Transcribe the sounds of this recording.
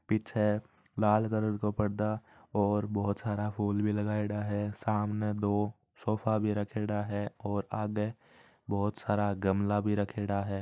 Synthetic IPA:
pit͡ʃʰe | laːl̤kəɾəɾkopəɽd̪a | ɔːɾbɔɦʊt̪saːɾapʰuːlbʱiləɡaːeɽaɦɛsaːmned̪oː | sɔːfʰabʱiɾəkʰeːɽaɦɛɔːɾaːɡe | bɔːt̪saːɾaɡɐmlabʱiɾəkʰeːɽaɦɛː

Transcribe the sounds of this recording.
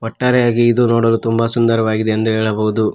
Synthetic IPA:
ɦɔʈːaːɾɛjaːɡiːd̪unoːɽɐlut̪umbɐsund̪ɐɾɐʋaːɡid̪e̞ɐnd̪uɦeːɭɐboɦud̪u

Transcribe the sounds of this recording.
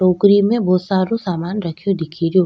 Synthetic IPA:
oːkɾimẽbɔːsaːɾõsaːmaːnɾɐkʰijod̪ɪkʰiɾjo

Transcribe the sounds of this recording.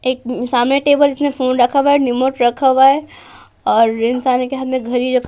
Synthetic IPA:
eːk̚saːmneʈeːbəld͡ʒɪsmẽfʰuːnɾɐkʰəbaenɪmoʈɾɐkʰəbae | ɔːɾɾɪ̃nsaːnekeɦad̪mẽɡʱɐɾiɾokʰ

